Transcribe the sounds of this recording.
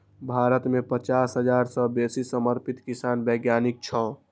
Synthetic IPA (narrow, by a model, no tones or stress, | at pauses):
bʱaɾət̪mepət͡ʃasɦəd͡ʒaɾsəbesisəməɾpit̪kisanbəɡjanik̚t͡ʃʰɔ